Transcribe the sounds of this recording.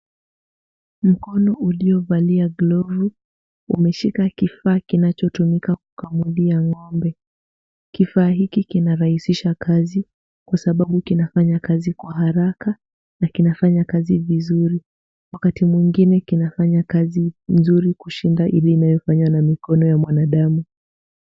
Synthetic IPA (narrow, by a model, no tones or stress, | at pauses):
m̩kɔnɔʔuliɔvaliaɡlɔvu | ṵmɛʃikakifaːkinat͡ʃɔtumikakukamuɗiaŋɔmbɛ | kifaːɦikikinaɾahisiʃakʰazi | kwasaɓaɓukinafaɲakazikwaɦaɾaka | nakinafaɲakazivizuɾi | wakatimwiŋɡinɛkinafaɲakazinzuɾikuʃindaʔiliːnajɔfaɲwanamikɔnɔjamwanaɗamu